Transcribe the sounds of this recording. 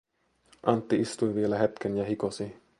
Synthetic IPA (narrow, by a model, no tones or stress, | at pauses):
ʔɑnt̪ːiist̪ujʋielæɦet̪kʰenjɑhikosi